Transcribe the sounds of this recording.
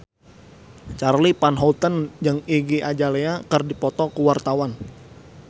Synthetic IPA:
t͡ʃarlipanɦɔlt̪ənd͡ʒəŋiɡiʔad͡ʒaleakərdipɔt̪ɔkuwart̪awan

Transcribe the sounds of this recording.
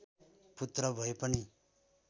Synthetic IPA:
put̪ɾʌbʱʌepʌni

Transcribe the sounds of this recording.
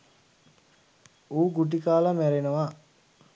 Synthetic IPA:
uːɡuʈ̬ikaːlamæɾenəʋa

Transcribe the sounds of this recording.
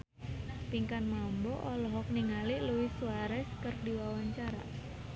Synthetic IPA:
piŋkanmambɔʔɔlɔɦɔk̚niŋaliluwisuwaɾɛskərdiwawaɲt͡ʃaɾa̰

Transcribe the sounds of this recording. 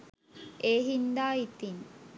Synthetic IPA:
eːɦind̪aːit̪in

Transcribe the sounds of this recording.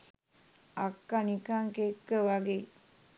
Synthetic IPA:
akːanikaŋkekːəʋaɡe

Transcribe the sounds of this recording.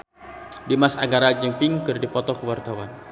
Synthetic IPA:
dimasaɡaɾad͡ʒəmpɪŋkɨrdipɔt̪ɔkəwart̪awan

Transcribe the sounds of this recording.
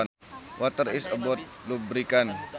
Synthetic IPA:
wʔat̪əɾisəbɔt̪̚lubəɾikan

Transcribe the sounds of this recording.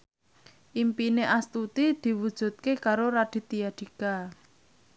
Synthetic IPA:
ʔimpineʔast̪ut̪id̪̥i̤wud̥ʒ̥ṳt̪̚kekaɾoɾad̪̥i̤t̪ijad̪̥i̤ka

